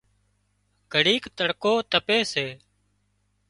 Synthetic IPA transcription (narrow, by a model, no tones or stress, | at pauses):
ɡ̥ʱəɽiːkt̪əɽkoːt̪əpeːseː